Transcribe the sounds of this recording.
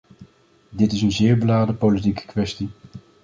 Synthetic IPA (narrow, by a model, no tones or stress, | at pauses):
dɪtɪsənzɪːɹbəlaːdəpolit̬ikə̥kʋɛsti